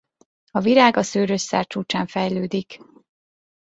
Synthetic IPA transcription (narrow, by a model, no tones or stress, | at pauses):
ɒviɾaːɡɒsøːɾøsːa̰ːrt͡ʃuːt͡ʃaːɱfɛjløːd̪ik